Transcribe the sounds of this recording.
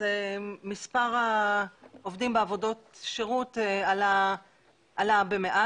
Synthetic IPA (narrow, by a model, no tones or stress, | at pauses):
emispaʁa | ovdimbeavo̞do̞tʃeʁutala | ʔalabemeʔa